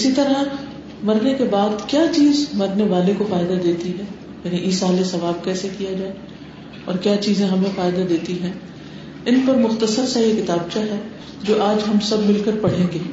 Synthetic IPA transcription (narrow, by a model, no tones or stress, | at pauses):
ɪsit̪ɐɾa | mɐɾnekebaːd̪kjaːt͡ʃiːzmɐɾneʋaːlekofaːɪd̪ad̪eːt̪iɦɛ̃ː | jaːniʔiːsaːlesɐʋaːb̚kɛːsekijad͡ʒaːe | ɔ̰ːɾkjaːt͡ʃiːzẽɦɐmẽfaːɪd̪ad̪eːt̪iɦɛ̃ː | ɪnpɐɾmʊxt̪əsəɾsaɦikɪt̪aːb̚t͡ʃaɦɛː | d͡ʒoːʔaːd͡ʒɦɐmsɐbmɪlkəɾpɐɽ̤ẽːŋɡeː